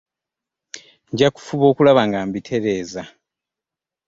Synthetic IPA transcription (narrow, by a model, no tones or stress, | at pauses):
ɲɟaku̥fuβo̞ːkulaβaŋɡaːmbitʰe̞ɾe̞ːza